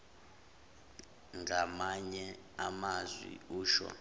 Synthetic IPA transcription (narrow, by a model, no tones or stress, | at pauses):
ŋɡamaɲɛ | amazwḭuːʃwɔ̰